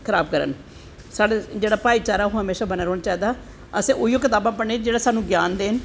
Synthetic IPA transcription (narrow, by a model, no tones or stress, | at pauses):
kʰəɾaːbkəɾə̰n | saːɽed͡ʒeːɽaːpaːiːt͡ʃaːɾaːɦõːɦəmeːʃaːbənaːɾoːnaːt͡ʃaːiːd̪aː | əsẽːʔʊijoːkɪt̪aːbãːpəɳeːd͡ʒeːɽaːsaːnũːɡjaːnd̪eːn